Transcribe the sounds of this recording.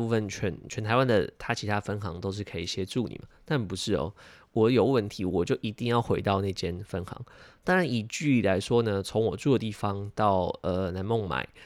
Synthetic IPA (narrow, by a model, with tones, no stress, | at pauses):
u˥˧fə˥˨nt͡ɕʰɥɛ˧˥nt͡ɕʰɥɛ˧˥nt̪ʰa˧ɪwa˦nd̪ə̰˨t̪ʰa˥t͡ɕʰi˧˥t̪ʰa˥fə˥nxɑ̰˧˥ŋt̪o˥ʊʂ̬ɻ̩˥˩kʰɤ˧˥i˨˩ɕjɛ˥ʈ͡ʂu˥˩nḭ˨˩mə˩na˥˩npu˧˦ʂɻ̩˥˩ɔ̰˩ | wɔ˨˩˦jo˨˩ʊwə˥˩nt̪ʰi˧˥wɔ˨˩t͡ɕjo˥˩ʊʔi˧˥t̪i˥˧ŋjɑ˥˩ʊxwe˧˥ɪt̪ɑ˥˧ʊna˥˧t͡ɕjɛ˥nfə˦˥nxɑ̰˧˦ŋt̪ɑ˥ŋɻa˧˦ni˨˩t͡ɕy˥˩i˨˩la˧˦ɪʂwɔ˥nə˨t͡sʰo˧˦˥ŋwɔ˨˩t͡su˥˩d̪ə˦t̪i˥˩fɑ˦ŋt̪ɑ˥˩ʊʔə˨na˧˥nmo˥˩ŋma̰˨˩˦ɪ